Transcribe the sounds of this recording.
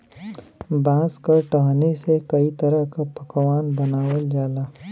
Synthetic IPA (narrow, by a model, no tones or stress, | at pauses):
bãːskaʈɐɦnesekɐit̪ɐɾəɦkapəkwaːnbɐnaːwəld͡ʒaːlaː